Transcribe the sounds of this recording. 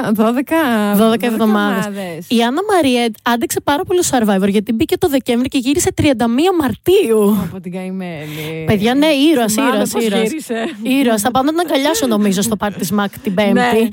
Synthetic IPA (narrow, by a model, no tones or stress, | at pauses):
ðoðekɐðoðekɐevðo̞mmɐðesðsiɐnɐmɐɾiet̪ɐnd̪ikse̞pɐɾɐpo̞lisɐɾvɐjvoɾʝɐt̪ibicet̪oðe̞ceɱvɾice̞ʝiɾise̞t̪ɾiɐnd̪ɐmiɐmɐɾt̪iupot̪iɡɐimepe̞ðʝɐne̞iɾoɐsiɾoɐsiɾoɾiseiɾoɐsθɐpɐnd̪ot̪nɐɡɐʎɐsono̞mizost̪opɐɾt̪t̪izmɐkt̪ibe̞mt̪i